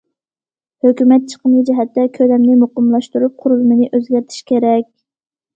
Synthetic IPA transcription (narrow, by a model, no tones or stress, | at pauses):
høkʲymɛt̪̚t͡ʃʰə̥qʰəmlˠɨd͡ʒɛɦɛt̪ːɛkʲʰølɛmnɪmoqəmlˠɑʃt̪uɾup̚qʰʊɾulˠɨmɨnɪʔøzɡʲæɾt̪ʰi̥ʃkʲʰeɾɛkʲ